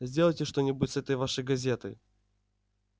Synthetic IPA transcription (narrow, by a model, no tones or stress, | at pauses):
zʲdʲelˠəjtʲɪʂt̪o̞nʲɪbutʲsɛt̪əjvaʂɨjɡɐzʲe̞t̪ɨ̰j